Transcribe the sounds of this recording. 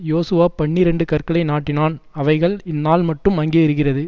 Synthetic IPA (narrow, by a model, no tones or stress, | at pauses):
joːsɯʋaːpɐɳːiɾɛɳɖɯkɐrkɐɭɐɪnaːʈːɪnaːnɐʋɐɪɣɐɭɪnːaːlmɐʈːɯmɐŋɡeːɪɾɯɣɪrɐðɯ